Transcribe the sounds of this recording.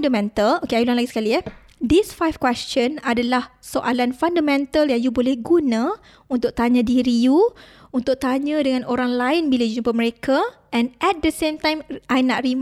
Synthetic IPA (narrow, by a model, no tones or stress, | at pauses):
ndamɛ̃nt̪alokeajulanlaɡisə̥kaliɛ | disfajfkwɛst͡ʃə̃nadalahsoʔalanfandamɛ̃nt̪aljaŋjubolɛhɡunã | unt̪ʊʔ̚t̪aɲãdiɾiju | unt̪ʊk̚t̪aɲãdəŋãnoɾaŋlaɪnbilad͡ʒunũpəməɾekʰa | ɛ̃nʔɛt̪̚dəsemt̪ãjmʔajnaʔrim